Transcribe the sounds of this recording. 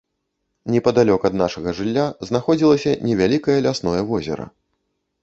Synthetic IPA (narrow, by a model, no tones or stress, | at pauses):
nʲɛpɐd̪alʲɔkɐd̪naʂɐɣɐʐɨlʲːaznaxɔd͡zʲilˠɐsʲɐnʲɛvʲalʲikɐjɐlʲasnɔjɐvɔzʲɛ̰ɾɐ̰